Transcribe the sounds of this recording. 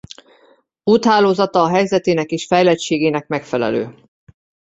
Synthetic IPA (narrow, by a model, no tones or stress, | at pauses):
uːt̪ɦaːloːzɒt̪ɒːɦɛjzɛt̪eːnɛkeːʃfɛjlɛt͡ʃeːɡeːnɛkmɛkfɛlɛ̰lø̰ː